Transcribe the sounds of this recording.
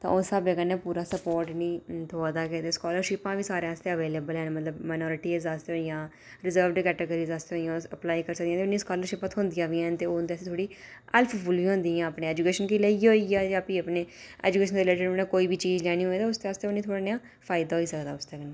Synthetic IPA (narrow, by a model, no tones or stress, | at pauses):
t̪ã̰ːosaːbeɡənːẽːpuːɾaːsəpoːɾʈnĩːt̪ʰoəd̪aːkɛ̃t̪eːskɔːləɾʃɪpãːʋiːsaːɾeãːst̪eːəʋeːleːbəlɦɛːnmət̪ləbmaːɪnɔːɾɪʈiːzaːst̪eɦoːijãː | ɾɪzəːɾʋɖkɛːʈəɡəɾiːzaːst̪eoːijãːəplaːikəɾsək̚dijãːt̪eʊnːĩːskɔːləɾʃɪpət̪ɦʊ̃nd̪ɪjãːʋiːɛnt̪eːoːnd̪easːt̪ʰoːɽiː | əlpʰfʊlʋiːɦõnd̪iːãːəpnẽːɛːd͡ʒuːkeːʃənkiːleːioːiaːd͡ʒãːpiːəpneːɛ̰ːd͡ʒuːkeːʃənd̪eleːd͡ʒəɾonẽːkoːiːbʱiːt͡ʃiːzlɛːɽ̃ĩːɦoːeːt̪aːʊsd̪eaːst̪eːoniːt̪ʰoːɽaːneãː | pʰaːɪd̪aːɦoːiːsəkd̪aːʊst̪eːɡənːeː